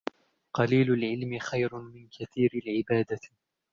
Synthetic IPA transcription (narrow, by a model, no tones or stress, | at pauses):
qɑliːlʊlʕɪlmɪxajɾʊmɪnkʰaθiːɾalʕɪbaːd̪a